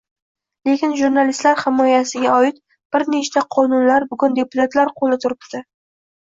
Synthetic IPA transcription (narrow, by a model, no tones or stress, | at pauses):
le̞kʲɪnʒuɾnalist̪laɾhɪmɒjasɪɡʲaɒɪt̪ | b̥ɪɾnet͡ʃt̪ʰaqʰɒnʊnlaɾbʊɡʊnd̪e̞pʊt̪ʰat̪laɾqʰolɪt̪ʰʊɾɪpt̪ɪ